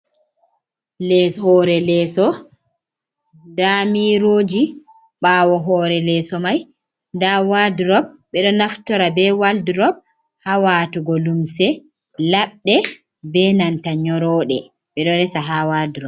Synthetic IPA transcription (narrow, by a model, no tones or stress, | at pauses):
lɛshɔɾɛlɛːsɔ | ndamiɾoːd͡ʒi | ɓaːwɔɦɔːɾɛlɛsɔmaj | ndawadɾɔb̚ːɛɗɔnaftɔɾabɛwaldiɾɔb̚ | hawaːtuɡɔlumsɛ | laɓɗɛ | bɛnantaɲɔɾɔːɗɛ | ɓɛɗɔɾɛsaɦawadiɾɔb̚